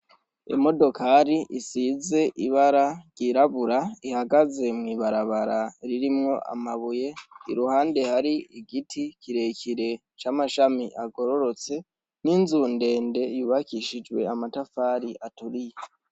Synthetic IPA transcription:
ḛmo̞do̞kʰaɾiʔisize̞ʔiβaɾaɾɟ̥iɾaβuɾaihaɡaze̞mŋiːβaɾaβaɾaɾiɾimŋo̞ʔa̰maβuje̞iɾuhaːnde̞haɾiiɡitʰiciɾe̞kiɾe̞ | t͡ʃamaʃamiʔaɡo̞ɾo̞ɾo̞t͡se̞ | ninzuːnde̞ːnde̞juːβakiʃid͡ʒwe̞̰amatafaːɾiʔatuɾije

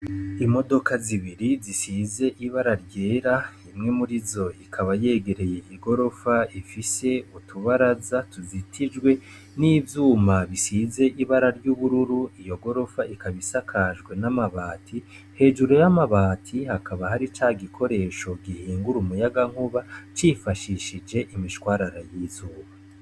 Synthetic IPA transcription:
imo̞do̞kaziβiɾizisize̞ʔiβaɾaɾɟe̞ːɾaimŋe̞muɾizo̞ikʰaβaje̞ːɡe̞ɾe̞je̞ʔiɡo̞ɾo̞faifise̞utʰuβaɾazatuzitʰid͡ʒɡwe̞ | niːvjuːmaβisize̞ʔiβaɾaɾɟuːβuɾuɾuijo̞ɡo̞ɾo̞faikaβisakʰaʒɡwe̞namaβaːtʰi | he̞ːʒuɾojamaβaːtʰihakʰaβahaɾit͡ʃaːɡikʰo̞ɾe̞ʃo̞ɡihiːŋɡuɾumujaɡaŋ̥huβat͡ʃifaʃiʃid͡ʒe̞ʔimiʃwaːɾaɾajiːzuːβa

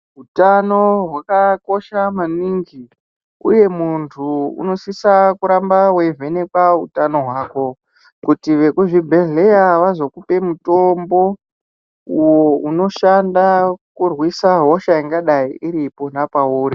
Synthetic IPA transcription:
ɦutano̞ɦwakako̞ʃamaniŋɡi | ṵje̞muntʰuṵno̞sisakuɾambawe̞ve̞ne̞kwaṵtano̞ɦwaːko̞ | kutiʋe̞kuʐibʱe̞ɮejaʋazo̞kupe̞muto̞mbo̞ | uwouno̞ʃandakurwisaɦo̞ʃaiŋɡaɗaiiɾipo̞napauːɾi

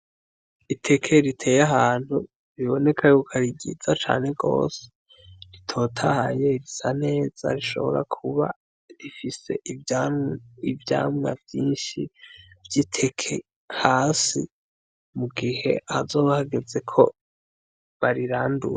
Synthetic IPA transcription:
itʰe̞kʰe̞ɾitʰe̞ːjaɦaːn̥hu | ɾiβo̞ne̞kʰajokʰaɾiɟḭzat͡ʃa̰ːneɡo̞̰ːse̥ | ɾitʰo̞ːtʰahaje̞ɾisane̞ːz̥a̰ɾiʃo̞̰βo̞̰ɾa̰kʰuβa̰ | ɾifise̞̰ʔ | ivja̰ːmŋa̰vjiːnʃivjitʰe̞kʰe | haːsḭ | muɡihe̞̰azo̞ːβahaɡeze̞kʰo | βaɾiɾaːndṵɾe

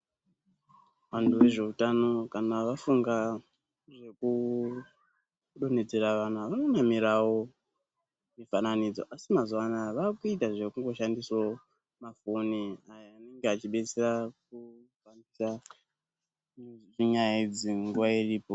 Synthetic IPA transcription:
ʋantʰuʋe̞ʐe̞utano̞kanaʋafuŋɡa | ʐe̞ku | ɗo̞ne̞d͡ze̞ɾaʋan̤aʋano̞namiɾawo̞ | mifananid͡zo̞̰ʔasimazwanaʋakuitaʐe̞kuŋɡo̞ʃandiswo | mafo̞niajaane̞ŋɡeat͡ʃiɓe̞t͡serak̚ukandisa | ʐiɲajid͡ziŋɡuʋairiːpo

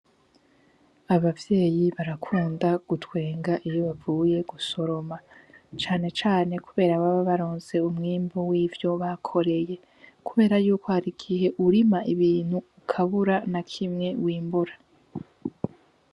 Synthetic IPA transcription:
aβavje̞ːjiβaɾakʰuːndaɡ̥utwe̞ːŋɡaʔijo̞βavuːje̞ɡuso̞ɾo̞mat͡ʃaːne̞t͡ʃaːne̞kuβe̞ːɾaβaβaβaɾoːnze̞umŋiːmbowiːvjo̞βakʰo̞ɾe̞je̞ | kuβe̞ːɾajuːkohaɾiɡihe̞ʔuɾimaiβiːn̥huːkʰaβuɾanakʰimŋe̞wiːmbuɾa

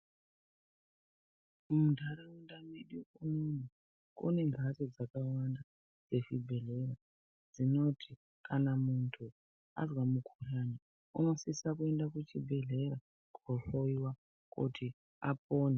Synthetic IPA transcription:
mudʱaɾaundamiɗiʔumun̤u | kṵne̞ŋɡʱatod͡zakawanda | d͡ze̞ʃibʱe̞ɮe̞ra | d͡zino̞tʰi | kʰanamuntʰu | a̰zwamukʰurani | unosisakue̞ndakut͡ʃibʱe̞ɮe̞ɾa | koɬoiwa | kṵtʰi | a̰p̚oːne

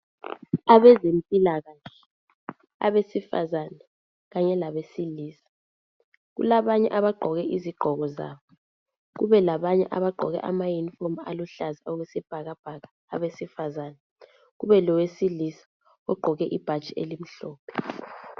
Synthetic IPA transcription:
aβɛzempʼilaɣaɬɛ | a̰βesifa̰zanɛ | ɣaɲɛlaβesiliːsḁ | ɣṵlaβaɲɛ̰ʔaβaɡ͡ǃʱɔɣɛʔiziɡ͡ǃʱɔɣɔza̰ːβɔ | ɣ̬ṵβɛlaβaɲɛ̰ʔaβaɡ͡ǃʱɔɣɛ̰ʔamajinfɔma̰luɬaziɔɣɛsɛb̥ʱaɣab̥ʱaɣaːβesifazaːnɛ | ɣuβɛlɔwesilisḁ | ɔɡ͡ǃʱɔɣɛʔib̥ʱḁt͡ʃʼiḛlim̩ɬɔːpʰɛ̥

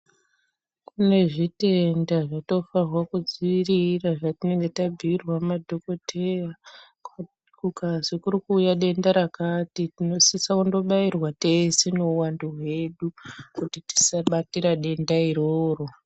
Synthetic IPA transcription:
kune̞ʐite̞ndaʐato̞farwakud͡ziiriraʐatine̞ŋɡe̞tabʱirwamadʱo̞ko̞tʰe̞ja | kukazikurikuːjaɗe̞ndaɾakatitino̞sisakundo̞ɓairwateseno̞uwanduɦwe̞ɗukutiti̥saɓatiɾaɗe̞ndaiɾoːro̞

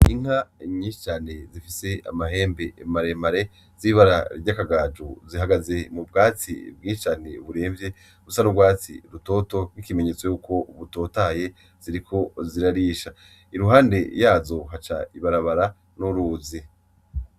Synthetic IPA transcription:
iŋ̥aɲĩːʃi̥t͡ʃaːnezifise̞a̰maɦe̞ːmbe̞ʔmaɾemaɾe̞ | z̥iβaɾaɾɟakaɡaːd͡ʒuziɦaɡaze̞mubɡaːt͡sḭb̚ɡiːʃt͡ʃaneβuɾe̞ːɱvje̞ | ɾusanubɡwaːt͡sḭɾuto̞ːto̞ɡikime̞ɲeːt͡so̞juːko̞uβuto̞ːtaje̞ | z̥iɾikʰo̞ziɾaɾiːʃa | iɾuɦaːnde̞jaːzo̞ɦat͡ʃa̰iβaɾaβaɾa | nuɾuːzi

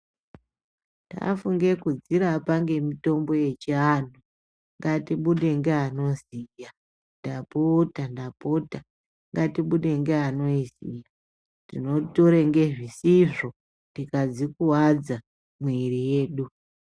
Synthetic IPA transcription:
ta̰fuŋɡe̞kud͡ziɾapaŋɡe̞mito̞mbo̞je̞t͡ʃian̤u | ŋɡatiɓuɗe̞ŋɡeano̞zija | ndapotandapota | ŋɡatiɓuɗe̞ŋɡeano̞isija | tino̞toɾeŋɡe̞ʐisiʐo̞ | tikad͡zikuwad͡za | mweɾije̞ːɗu

